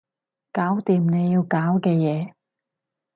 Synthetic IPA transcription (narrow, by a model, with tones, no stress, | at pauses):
kaː˨˥wt̪iː˨mne˨˧jiː˧wkaː˨˥wkɛː˧jɛː˨˧